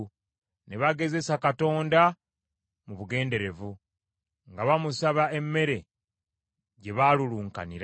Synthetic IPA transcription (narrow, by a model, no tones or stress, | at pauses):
ne̞βaɡe̞ze̞sakato̞ːnda | muβuɡe̞ːnde̞ɾe̞vu | ŋɡaβamusaβae̞mːe̞ɾe̞ | ɟe̞βaluluːŋka̰niɾa